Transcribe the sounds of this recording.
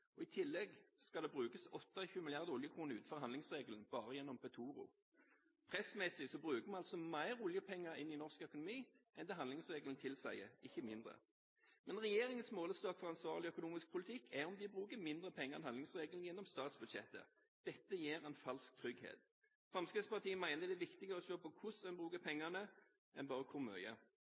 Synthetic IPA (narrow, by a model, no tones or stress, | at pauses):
ʔɔɪt̪ʰɪlːɛɡskɑd̪ɛːbʁʉːkəsɔt̪ːɑçʉːmɪlɪjɑʁd̪əʊljəkʰʁuːnəʉːt̪̩fɔʁhɑnlɪŋsʁeːɡələn̩b̥ɑːʁəjɛnːɔmpɛt̪ʰuːʁʊ̰ | pʰʁɛsmɛsɪsɔbʁʉːkəmɑnɑlt̪sɔmæɪʁʊljəpʰɛŋːəʁɪnːɪnɔʁskœkʊnʊmiːʔɛnd̪ɛɦɑnd̪lɪŋsʁeːɡəlnt̪ʰɪlsæ̰ɪəɪçːəmɪnd̪ʁə̰ | mɛnʁɛjeːʁɪŋənsmoːləst̪ɑːkfɔʁɑnsʋɑːʁlɪœkʊnuːmɪsk̚pʰʊlɪt̪ʰɪkʰːɛɔmd̪ɪbʁʉːkəmɪnd̪ʁəpʰɛŋːəʁɛnɑnlɪŋsʁeːɡln̩jɛnːɔmst̪ɑːt̪sbʉd̪ʃɛ̰t̪ːə̰ | d̪̥ɛt̪ːəjeːʁɛɪnfɑlsk̚t̪ʰʁʏɡhḛːt̪ | fʁɑmskəspɑʁt̪iːəmæɪnəd̪ɛʋɪkt̪ɪɡəʁəɔʃøːpɔkʰʊsɛnbʁʉːkəpʰɛŋːɑnə | ʔɛnbɑːʁəkʰʊʁmœ̰ʏə̰